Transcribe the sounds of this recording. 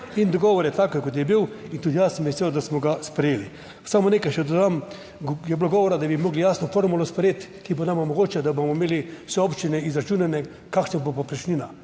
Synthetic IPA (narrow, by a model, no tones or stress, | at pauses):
ind̪ɔɡɔːʋɔɾjɛt̪aːkojkot̪̬jɛbiwint̪ud̪ijasəmɛsewd̪asmɔɡaspɾɛjeːli | samonekajʃɛd̪od̪am | jɛbloɡɔːʋɔɾad̪abimoːɡlijasnɔfoɾmulɔspɾɛjet̪kibonamɔmɔɡoːt͡ʃɛd̪abomɔimeːliwsɛopt͡ʃinɛizɾat͡ʃuːnanɛ | kakʃnabopɔpɾɛt͡ʃniːna